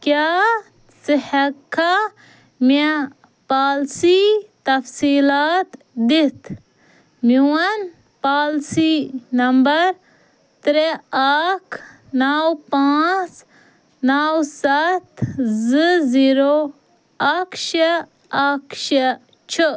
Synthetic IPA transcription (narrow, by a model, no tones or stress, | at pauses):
kjaː | sihɐkʰːa | me | paːlsit̪ɐfsiːlaːt̪ | d̪it̪ʰ | miwɐn | paːlsinɐmbɐɾ | t̪ɾeakʰ | nawpãːt͡s | nawsɐt̪zɨziːɾo | ɐkʃɐ | ɐkʰʃɐ | t͡ʃʰə